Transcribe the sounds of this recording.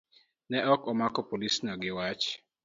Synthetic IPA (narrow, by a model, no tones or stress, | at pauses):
nɛɔkɔmakɔpolisnɔɡɪwat͡ʃ